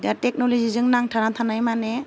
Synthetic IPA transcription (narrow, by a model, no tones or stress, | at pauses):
diatek̚nɔlɔzizɯŋnaŋtʰaɾat̪ʰanajmane